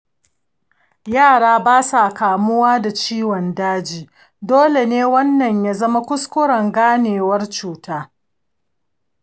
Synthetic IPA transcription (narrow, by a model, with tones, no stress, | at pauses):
jaː˦˨ɽaː˦baː˦sa˨kaː˨mʊ˦waː˦da˨t͡ʃiː˦wɔ˨ndaː˦d͡ʒiː˨ | doː˦le˨neː˦wɐ˦nːɐ˨ɲjaː˦zɐ˦ma˦kʷʊ˦skʷʊ˦ɽɐ˨ŋɡaː˦neː˨wɐ˦rt͡ʃuː˨taː˦